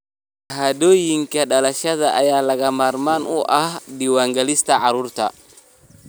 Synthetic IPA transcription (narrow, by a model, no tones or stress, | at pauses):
ɦadojiŋkaɗalaʃazaʔajalaɡamaɾmanuʔadiwaŋɡalistaʔaɾuɾta̰